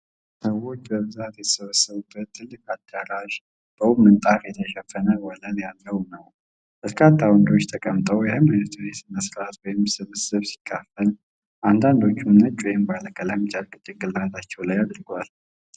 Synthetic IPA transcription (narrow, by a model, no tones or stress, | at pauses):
səwːo̞t͡ʃːbəβɨzat̪jɛt̪ʰə̥səβəsːəβubːət̪ʰːɨlːɨkʼad̪aɾaʒ | b̥əwumːɨnt̪ʼafjɛt̪ʰəʃɛfənəwɔləljalːəwnəw | b̥əɾkʰat̪ʰːawɔnd̪o̞t͡ʃːt̪ʰəkʼəmt̪ʼəwjɛhɨmɨnt̪ʰuɾesməsɾat̪wɔjɪmsɨβɨsɨβsi̥kʼːafəl | ʔand̪and̪o̞t͡ʃːumnət͡ʃʼujmbaləkʼəlamt͡ʃʼalkʼɨt̪ʼːɨɡɨlːat̪ʰat͡ʃːɛwlajad̪ɾɡʷal